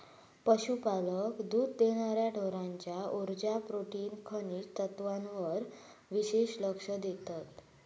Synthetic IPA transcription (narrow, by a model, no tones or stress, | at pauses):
pəɕupaləkd̪uːd̪d̪eɽ̃aɾjaɖʱoɾãɲt͡ɕjaʔuɾd͡ʑapɾoʈiːnkʰəniːt̪ət̪ʋãnʋəɾ | ʋiɕeɕləkʂəd̪et̪at̪